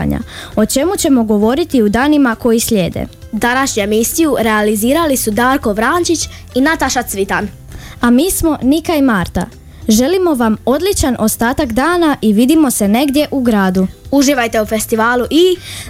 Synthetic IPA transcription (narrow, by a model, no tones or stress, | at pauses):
a̰ɲa̰o̞t͡ʃe̞mut͡ɕe̞mo̞ɡo̞ʋo̞ɾit̪iud̪aːnimako̞jisʎʲe̞ːd̪ḛ | d̪anaʃɲuemisijuɾe̞aliziːɾalisud̪aːɾko̞ʋɾaːnt͡ʃit͡ɕ | inat̪aʃat̪sʋit̪an | amiːsmo̞nikaimaːɾt̪a̰ | ʒe̞limo̞ʋamo̞d̪lit͡ʃanʔo̞st̪aːt̪akd̪aːnaʔiʋid̪imo̞se̞ne̞ɡd̪je̞ʔuɡɾaːd̪uuʒiʋajt̪e̞ufe̞st̪iʋaːlˠuʔi